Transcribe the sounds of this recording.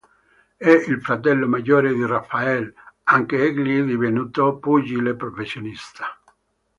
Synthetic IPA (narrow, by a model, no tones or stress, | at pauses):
ɛilfɾat̪̬ɛlːomaɟːoːɾed̪irafːaɛlaŋkeɛɡlid̪ivenuːt̪opud͡ʒilepɾofesːjonist̪ḁ